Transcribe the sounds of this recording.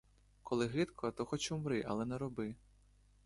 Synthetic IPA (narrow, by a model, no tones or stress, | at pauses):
kʰɔlˠɪɦɪt̪kʰɔt̪ɔxɔt͡ʃʊmɾɪʔɐ̰lˠɛnɛɾɔbɪ